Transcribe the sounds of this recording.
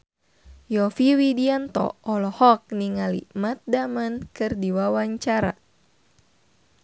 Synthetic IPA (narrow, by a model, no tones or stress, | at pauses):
jɔfiwidiant̪ɔ̰ɔlɔhɔk̚niŋalḭmat̪̚damankɨrdiwawaɲt͡ʃaɾa̰